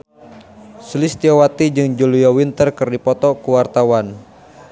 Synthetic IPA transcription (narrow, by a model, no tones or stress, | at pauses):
sulist̪iɔwat̪id͡ʒɨŋd͡ʒulijɔwint̪ərkɨrdipɔt̪ɔkuwart̪awan